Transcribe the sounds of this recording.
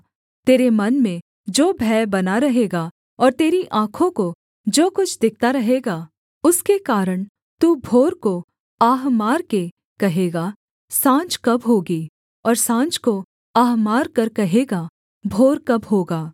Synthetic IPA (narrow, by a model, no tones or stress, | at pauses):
t̪eːɾemɐnmẽ | d͡ʒoːbʱɛːbɐnaɾɐɦeːɡa | ɔːɾt̪eːɾiʔãːkʰõko | d͡ʒoːkʊt͡ʃʰd̪ɪk̚ʰt̪aɾɐɦeːɡaː | ʊskekaːɾəɽ̃ | t̪uːbʱoːɾko | aːɦmaːɾke | kɐɦeːɡa | sãːt͡ʃkɐbɦoːɡiː | ɔːɾsãːt͡ʃko | aːɦmaːɾkɐɾkɐɦeːɡa | bʱoːɾkɐbɦoːɡaː